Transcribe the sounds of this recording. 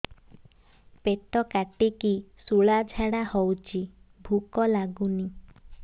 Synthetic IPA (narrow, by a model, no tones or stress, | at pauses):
pet̪ɔkaʈikisuɭad͡ʒʱaɽahɔwt͡ʃʰibʱukɔlaɡuni